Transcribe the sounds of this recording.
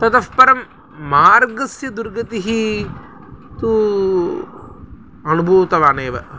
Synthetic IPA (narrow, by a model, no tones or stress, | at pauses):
t̪ɐt̪ɐfpɐɾɐmː | aːɾɡɐsjɐd̪uɾɡɐt̪iɦi | t̪u | ɐnubʱuːt̪ɐʋaːneːʋɐ